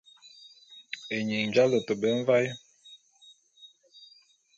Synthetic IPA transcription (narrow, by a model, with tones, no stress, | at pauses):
e˨ɲi˨ŋnd͡ʒa˦lə˨tə˨bə˦ɱ˦va˦j